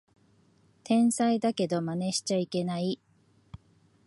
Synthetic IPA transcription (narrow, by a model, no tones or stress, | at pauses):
t̪ʰẽ̞ɰ̃said̪ake̞d̪o̞mane̞ɕi̥t͡ɕaike̞nai